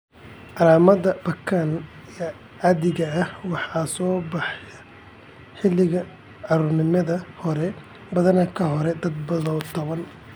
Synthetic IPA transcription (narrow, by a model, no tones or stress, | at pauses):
ʔɑlaːmɐðɐb̥ɐkʰanijɐ | ɑðɪɣɐːhwɑħɑːsɔːbɑħjɐ | ħɪlːɪɣɐ | ʕɑɾuːrnɪmɐðɐhɔɾɛ | bɐðɐnɐkʰɐɦɔɾɛd̪ɐd̪̚bɐðɔwt̪ʰɐβɐn